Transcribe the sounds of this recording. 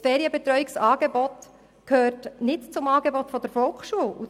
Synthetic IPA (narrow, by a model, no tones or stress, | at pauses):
fɛːɾiəbɛt̪ɾœɥiksɑːɡebɔt | kʰhøːɾtnɪtt͡sʊmɑːɡebɔt̪fɔd̥̪əɾfɔlˠkχʃuəlu